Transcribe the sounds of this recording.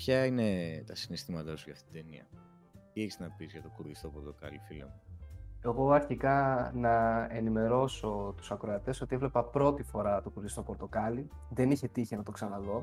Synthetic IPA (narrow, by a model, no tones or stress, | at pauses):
pçɐinet̪ɐsinest̪imɐt̪ɐsuʝɐ̰ft̪it̪d̪enḭɐ̰ | t̪ieçi̥znɐpizʝɐt̪okuɾɣist̪o̞po̞ɾt̪o̞kɐ̰lifilḛmue̞ɣo̞ɐɾçikɐnɐe̞nime̞ɾo̞so̞t̪u̥sɐkɾoɐt̪e̞so̞t̪ievle̞pɐpɾo̞t̪ifo̞ɾɐt̪okuɾɣist̪o̞po̞ɾt̪o̞kɐli | ðe̞niçe̞t̪içinɐt̪o̞ksɐnɐðo̞